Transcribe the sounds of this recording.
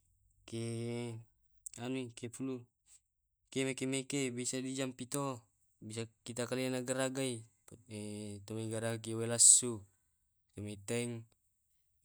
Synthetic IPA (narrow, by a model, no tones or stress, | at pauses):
ke | anuikepulu | kemekemekebisadid͡ʒampit̪o | bisakit̪akalianaɡaɾaɡai | et̪omeɡaɾakiwelasːu | t̪omet̪ɛŋ